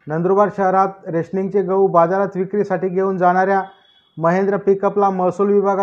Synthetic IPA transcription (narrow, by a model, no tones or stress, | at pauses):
nənd̪ɾubaɾɕəɦɾat̪̚ɾeɕniŋɡ̚t͡ɕeɡəwbad͡zaɾat̪ʋikɾiːsaʈiːɡʱeuːnd͡zaɽ̃aɾja | məɦend̪ɾəpikəplaməsuːlʋibʱaɡa